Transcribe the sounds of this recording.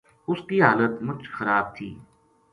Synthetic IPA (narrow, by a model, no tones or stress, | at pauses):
ʊskiɦaːlət̪mʊt͡ʃxɐɾaːb̚t̪ʰḭː